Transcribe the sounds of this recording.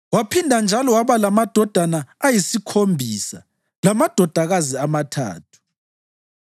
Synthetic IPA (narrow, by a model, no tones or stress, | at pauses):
wapʰindʱand͡ʒʱalɔwaβalamad̥ʱɔd̥ʱanaːjisikʰombʱiːsa̰ | lamad̥ʱɔd̥ʱaɣaziamatʰa̰ːtʰu̥